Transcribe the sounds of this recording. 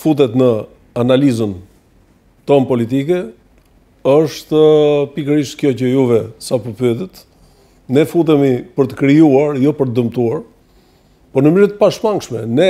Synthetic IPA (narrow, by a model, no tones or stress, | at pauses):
fut̪̬ɛt̪nə | analizən | t̪ɔmpɔlit̪ikɛ | əʃt̪əpikəɾiʃt̪kjɔcəjuvɛsapəpyt̪ət̪ | nɛfut̪̬ɛmipəɾt̪ə̥kɾijuaɾjɔpəɾt̪d̪əmt̪uaɾ | pɔnəmiɾət̪̚paʃmaŋkʃmɛ̰nɛ